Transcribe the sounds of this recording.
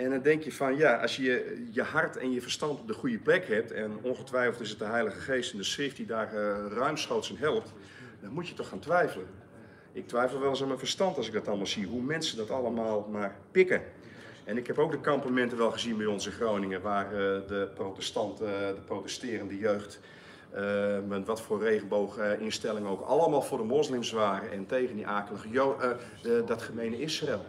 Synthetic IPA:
ɛndɔndɛŋkjəfɔnjaʔɑ̰sjəjəɦartʰɛ̰njəfərstɑntɔp̚dəχujəplɛkhɛp̚tɛnonxətʋɛjfl̩ˠtɪs̬ət̚dəɦɛjləɣəxeːstɛndəsrɪft̚didaːrrœɥmsxowtsənɦɛlˠəp̚t | dɔnmutjətɔxaːntʋɛjfələn | ɪk̚tʋɛjfəl̩ˠʋɛlˠɪsɔmənfərstɑntɑsɪɡ̚dɔtɑlˠmalˠsiəɦumɛnsəndɔtɑlˠəmaːlˠmaːrpɪkə | ɛnɪkhɛpowk̚dəkɑmpamɛntəʋɛlˠχəzinbɛɔnzəχrownɪŋəʋaːrdəprowtɛstɑntdəprotɛstɪːrəndəjøɥxt | əʋɑtfʊːrrejɣənbowxɪnstɛlˠɪŋəowkɑləmaːlˠvʊːdəmoslɪmsʋaːɾəʔɛntejɣəndiʔaːkələɣəjo | dɔtχəmejnəɪsrelˠ

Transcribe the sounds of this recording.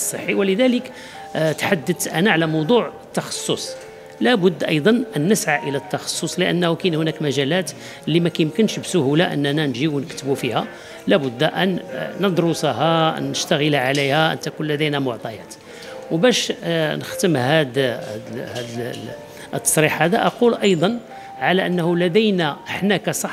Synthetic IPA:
sˤːəħːiwləd̪ælək | t̪ħad̪ːət̪ʔænæʕalæmɑwd̪ˤuʕət̪ːɑxɑ̥sˤːosˤ | læbʊd̪ːʔɑjd̪ˤɑnʔænːəsʕaʔəlæt̪ːɑxɑ̥sˤːosˤləʔə̰nːhukinhʊnækmæʒælæt̪ | lːimækæjəmkənʃbsʊhulaʔə̰nːænænʒiwnəkt̪əbufihæ | læbʊd̪ːʔænːəd̪ˤɾusˤahɑʔə̰nːəʃt̪æɣəlʕalijhæʔə̰nt̪ækunlæd̪ijnæmʊʕt̪ˤɑjæt̪ | wbæʃnəxt̪əmhæd̪d̪hæd̪ | ʔət̪ːɑ̥sˤɾiħhæd̪aʔɑqulʔɑjd̪ˤɑn | ʕalæʔənːhulæd̪æjnæʔəħnækæsˤɑħ

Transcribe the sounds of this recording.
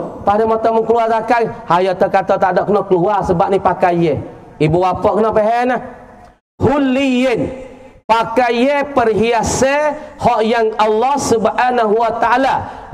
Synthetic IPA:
padɛmɔt̪ɔməŋkəluartakaŋhajɔt̪əkat̪ɔt̪adɔʔkənɔkəluarsəbaʔ̚nipakaje | ibuwapɔʔkənɔpeɦɛnah | hulːijen | pakajepərɦiasehɔʔjaŋalːɔhsubhanaɦuwat̪aala

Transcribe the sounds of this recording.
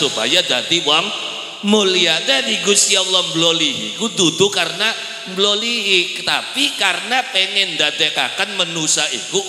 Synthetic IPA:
upa̰jad̪at̪iwaŋ | muliad̪ɛniɡusialɔmbloliɦḭkud̪ud̪ukaɾəna | mbloliɦi | t̪apikarənapeŋɛnd̪ad̪ɛka̰kanmənusaḭku

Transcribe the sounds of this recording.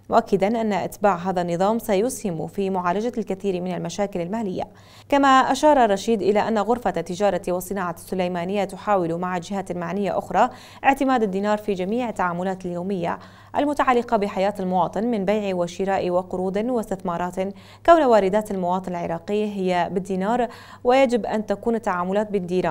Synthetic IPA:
mʊʔakːad̪anʔanːaʔat̪baːʕɦaːðanːɨðˤɑːmsajʊshɪmfimʊʕaːlad͡ʒalkaθiːɾmɪnalmaʃaːkɪlalmaːlɪjːa̰ | kamaʔaʃɑːɾˤɑrˤːɑʃiːd̪ʔɪlaʔanːaɣʊɾfat̪ːɪd͡ʒɑːɾˤɑt̪iwɑsˤːɨnɑːʕasːʊlajmaːnɪjːat̪ʊħaːwɪlmaʕald͡ʒɪhalmaʕnɪjːaʔʊxɾˤɑ | ʔɪʕt̪ɪmaːd̪ad̪ːiːnɑːɾˤfid͡ʒamiːʕɪt̪ːaʕaːmʊlaːt̪aljoːmɪjːa̰ | ʔa̰lmʊt̪aʕalːɪqɑbɪħajaːt̪almʊwɑːt̪ˤɨnmɪnbajʕiwɪʃɪɾaːʔiwɪqʊɾuːd̪ɪwɪst̪ɪθmɑːɾˤɑːt̪ | kawnawaːɾɪd̪aːt̪almʊwɑːt̪ˤɨnalʕɪɾˤɑːqɪjːaɦɪjːabɪd̪ːiːnɑːɾˤ | wɪjad͡ʒɪbʔant̪akuːnɪt̪ːaʕaːmʊlaːt̪̚bɪnd̪iːɾaːn

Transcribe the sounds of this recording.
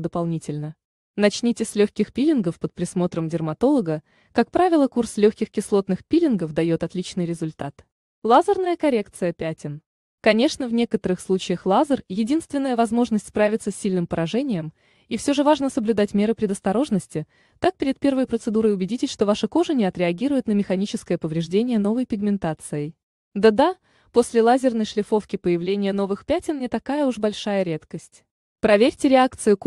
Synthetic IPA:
d̪əpɐlˠnʲitʲɪlʲnə | nɐt͡ɕnʲitʲɪsʲlʲɵxʲkʲɪxpʲilʲɪnɡəfpət̪̚pɾʲɪsmo̞t̪ɾəmdʲɪrmɐt̪o̞lˠəɡə | kak̚pɾavʲɪlˠəkurslʲɵxkʲɪxkʲɪslˠo̞t̪nɨxpʲilʲɪnɡəfd̪ɐjo̞t̪ɐt̪lʲit͡ɕnɨjɾʲɪzʊlʲt̪at̪ | lˠazərnəjəkɐɾʲe̞kt̪sɨjəpʲætʲɪn | kɐnʲe̞ʂnəvnʲe̞kət̪əɾɨxslˠut͡ɕɪjəxlˠazərjɪdʲinst̪vʲɪnːəjəvɐzmo̞ʐnəsʲtʲspɾavʲɪt̪səsʲːilʲnɨmpəɾɐʐɛnʲɪjəm | ifsʲo̞ʐɨvaʐnəsəblʲʊd̪atʲmʲeɾɨpɾʲɪd̪əst̪ɐɾo̞ʐnəsʲtʲɪ | t̪ak̚pʲɪɾʲɪt̪̚pʲe̞rvəjpɾət̪sɨd̪uɾəjʊbʲɪdʲitʲɪsʲʂt̪o̞vaʂɨko̞ʐɨnʲɪɐt̪ɾʲɪɐɡʲiɾʊjʊt̪nəmʲɪxɐnʲit͡ɕɪskəjəpəvɾʲɪʐdʲenʲɪjəno̞vəjpʲɪɡmʲɪnt̪at̪sɨjɪj | d̪əd̪a | po̞sʲlʲɪlˠazʲɪrnəjʂlʲɪfo̞fkʲɪpəjɪvlʲenʲɪjəno̞vɨxpʲætʲɪnnʲɪt̪ɐkajəuʐbɐlʲʂajəɾʲe̞t̪kəsʲtʲ | pɾɐvʲeɾʲtʲɪɾʲɪakt̪sɨjʊ

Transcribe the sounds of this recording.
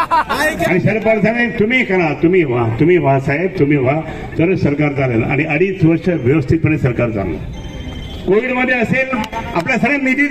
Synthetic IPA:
aniɕəɾpəɾd͡zanet̪umiːkaɽ̃ãt̪um̤iʋat̪um̤iːʋãsaɦeb̚t̪um̤iʋ̤a | t̪əɾsəɾkaɾkaɾena̰ʔa̰ñiəɽiːt͡sʋəɾsʈəʋjəʋəst̪ʰit̪pəɳ̃esəɾkaɾd͡za̰ŋə̰ | koʋiɽməd̪ʱːjeəseːlapljasaɽemidi

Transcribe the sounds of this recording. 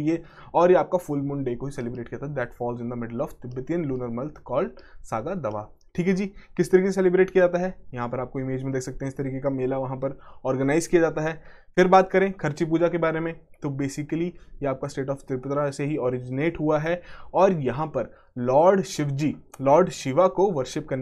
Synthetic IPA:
ie | ɔːɾjeaːp̚kafʊlmʊ̃ɳɖɖeːkoɦisɛlɪbɾeːʈ̚kijaːt̪aɦɛd̪ɛːʈfɔːlzɪ̃nd̪əmɪɖəlɔːft̪ɪbːət̪iənluːnəɾmɐlt̪ʰkɔːlsaːɡad̪ɐʋa̰ː | ʈʰiːkɦɛd͡ʒiːkɪst̪ɐɾiːkesesɛlɪbɾeːʈkijad͡ʒaːt̪aɦɛjɐɦãpɐɾaːp̚koɪmeːd͡ʒmẽd̪eːkʰsɐk̚t̪ẽɦɛ̃ɪst̪ɐɾiːkekameːlaʋɐɦãpɐɾɔːɾɡənaːɪzkijad͡ʒaːt̪aɦɛː | fɪɾbaːt̪kɐɾẽːkʰɐɾt͡ʃip̬uːd͡ʒakebaːɾemẽt̪obeːsɪkəlijeaːp̚kasʈeːʈɔːft̪ɪpɪt̪ɾaseɦiɔːɾɪd͡ʒɪneːʈɦuaɦɛɔːɾjɐɦãpɐɾ | lɔːɾɖʃɪʋd͡ʒiːlɔːɾɖʃɪʋakoʋɐɾʃɪp̚kɐɾne

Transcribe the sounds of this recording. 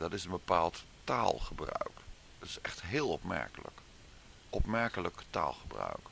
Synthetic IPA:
dɑtɪsənbəpaːlˠt | taːlˠχəbrœ̰ɥk | ɑtɪ̥sɛχtɦɪːlˠɔpmɛ̰ɹkələ̰k | ʔɔpmɛɹkələkta̰ːlˠχəbrœ̰ɥk

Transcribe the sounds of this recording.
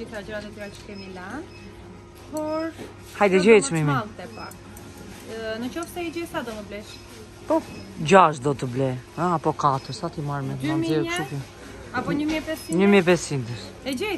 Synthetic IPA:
iθɾad͡ʒəɾanɛt̪iɾat͡ʃə̥kɛmilan | pɔɾ | hajd̪ɛd͡ʒɛjsmimialˠt̪ɛpa̰ | nət͡ʃɔfsɛɛd͡ʒɛsad̪ɔməblɛʃ | pɔd͡ʒaʃd̪ɔt̪əblɛəapɔkat̪əɾsat̪imaɾmɛt̪manmzɛʃuku | apɔɲəmjɛpɛsiɲəmjɛp̬ɛsind̪əɾ | ɛd͡ʒɛj

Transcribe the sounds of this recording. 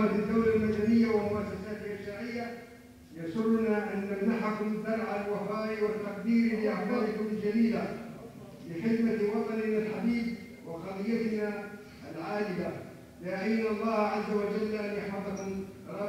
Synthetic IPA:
at̪ad̪ːawlalmad̪anɪjːawamʊʔasasaːt̪ɪlʔaʃaːʕɪjːa | jɑsˤʊrːʊnaʔanːanːaħaklɪd̪ːɑɾˤʕalwafaːɾiwat̪ːaq̚d̪iːɾlɪaħbɑd̪ˤkʊmld͡ʒad̪iːla | lɪxɪd̪mawɑt̪ˤɑnɪnalħab̪iːb̚ | wɪxɑlˤɨjːat̪na | ʔalʕaːd͡ʒɪba | lɪaʕajnaɑlˤːɑːhʕazːawad͡ʒalːʔanjaħɑfˤɑkʊmɾˤɑ

